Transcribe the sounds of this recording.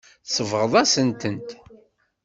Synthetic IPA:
səvʁəðˤæsənt̪ənt̪

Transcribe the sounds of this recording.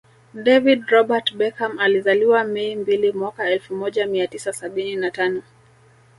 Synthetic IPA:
dɛvidɾɔɓatɓɛkamalizaliwamɛimbilimwakaɛlfumɔʄamiatisasaɓininatanɔ

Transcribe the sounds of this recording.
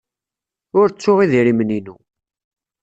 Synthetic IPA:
ʊɾt͡sːʊʁiðiɾiməninṵ

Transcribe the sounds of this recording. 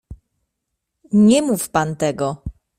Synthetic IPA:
ɲɛmufpant̪ɛɡɔ

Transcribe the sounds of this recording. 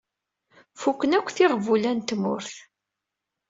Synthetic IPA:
fukːənækʷːθɪʁvulænt̪mʊ̰ɾθ

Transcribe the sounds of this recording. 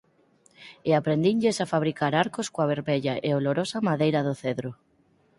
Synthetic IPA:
ɪapɾend̪iɲʎesafaβɾikaɾaɾkoskoaβ̞eɾmeʎaʔeoloɾosamaðejɾɐðoθeðɾo

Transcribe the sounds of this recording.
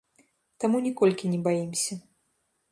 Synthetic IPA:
t̪amunʲikɔlʲkʲinʲɛbajimsʲɐ

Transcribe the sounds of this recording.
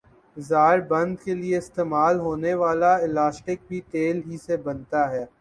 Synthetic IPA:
zaːɾbɐ̃nd̪kelieɪst̪eːmaːlɦoːneʋaːlaɪlaːsʈɪk̚bʱiʈeːlɦisebɐnt̪aɦɛː

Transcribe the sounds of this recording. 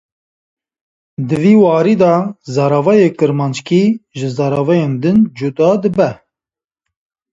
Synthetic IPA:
d̪ɨviːwɑːɾiːd̪ɑzɑɾɑvɑjeːkɨɾmɑːnt͡ʃkiːʒɨzɑːɾɑːvɛjeːnd̪ɨnd͡ʒud̪ɑːd̪ɨbɛ

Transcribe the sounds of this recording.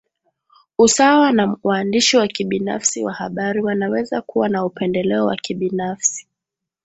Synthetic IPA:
usawanawaːndiʃiwakiɓina̰fsiwa̰haɓaɾiwanawɛzakuwanaupɛndɛlɛɔwa̰kiɓinafsi̥

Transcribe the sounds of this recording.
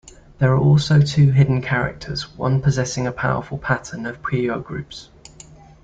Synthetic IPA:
ðəɹəɹɔˑlˠsəʊtʰʉːɦɪdⁿn̩kʰaɹɪ̰k̚tʰəzwʌ̰̃npʰəzɛsɪ̃ŋəpʰaʊə̰fəlˠpʰatʰə̃nəv̥pʰɹ̥iːəʊɡ̥ɹʉ̰ˑps

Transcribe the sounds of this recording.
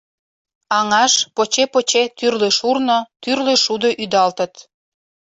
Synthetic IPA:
ɑŋɑʃpot͡ɕepot͡ɕet̪yrleʃurnot̪yrleʃud̪oʔyd̪ɑlt̪ə̆t̪

